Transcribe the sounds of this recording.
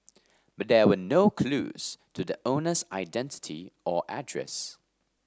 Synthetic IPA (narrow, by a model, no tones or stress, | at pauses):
b̥ʌt̚dɛwənoʊkʰlṵːz̥tʰuðəʔõʊnəzaɪdɛ̃ntɪ̥tʰḭʔɔʔæ̰dɹɛ̰s